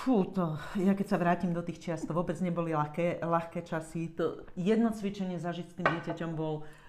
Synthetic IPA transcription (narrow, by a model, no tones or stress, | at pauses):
fut̪ɔjakɛcsaʋɾaːcimd̪ɔt̪iːxt͡ʃɪast̪ʋʊɔbɛd͡zɲɛbɔlilakɛlaxkɛːt͡ʃasit̪ɔjɛd̪nɔt͡sʋit͡ʃɛɲɪɛzaʒicst̪iːmɟɪɛcacɔmbɔl